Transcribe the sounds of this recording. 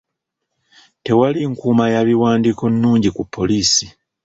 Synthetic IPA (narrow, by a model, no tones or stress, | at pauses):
te̞waliŋkuːmajaβiwaːndiko̞nːuːɲɟikupʰːo̞liːsi